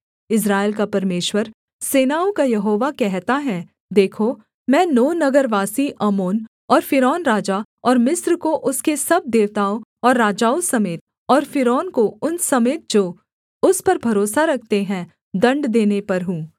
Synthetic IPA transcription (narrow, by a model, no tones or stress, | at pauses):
ɪs̬ɾaːelk̬apɐɾmeːʃwəɾ | seːnaːokajɐɦoːʋakɛɦt̪aɦɛ̃ | d̪eːkʰo | mɛ̃ːnoːnɐɡəɾʋaːsiʔɐmoːn | ɔːɾfɪɾɔːnɾaːd͡ʒa | ɔːɾmɪsɾkoʔʊskesɐb̚d̪eːʋt̪aːoɔːɾːaːd͡ʒaːosɐmeːt̪̚ | ɔːɾfɪɾɔːnkoʊnsɐmeːt̪̚d͡ʒoː | ʊspɐɾbʱɐɾoːsaɾɐkʰt̪eɦɛ̃ | d̪ɐ̃ɳɖd̪eːnepɐɾɦũː